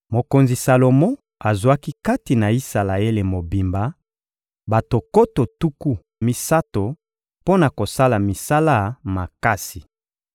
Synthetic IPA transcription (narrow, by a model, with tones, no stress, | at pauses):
mo˨ko˨nzi˨sa˨lo˨mo˦ | a˨zwa˦ki˦ka˦ti˨na˨i˦sa˨la˨e˦le˨mo˨bi˨mba˨˦ | ba˨to˨ko˦to˨tu˦ku˦ | mi˨sa˦to˨ | po˦na˨ko˨sa˦la˨mi˨sa˦la˦ma˨ka˦si˨